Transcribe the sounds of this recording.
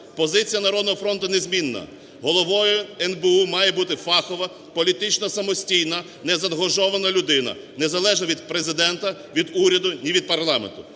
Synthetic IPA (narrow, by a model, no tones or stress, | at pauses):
pɔzɪt͡sʲijɐnɐɾɔd̪nɔɦɔfɾɔnt̪ʊnezʲmʲinːɐ̰ | ɦɔlˠɔʋɔjʊɛnbeumɑjɛbut̪ɪfɑxɔʋɐ | pɔlʲit̪ɪt͡ʃnɔsɐmɔsʲtʲijnɐ | nɛzɐd̪ɦɔʒɔʋɐnɐlʲʊd̪ɪnɐ̰nezɐlˠɛʒnɐʋʲid̪pɾezɪd̪ɛnt̪ɐʋʲid̪uɾʲɐd̪ʊnʲiʋʲid̪̚pɐrlˠɑmḛnt̪ʊ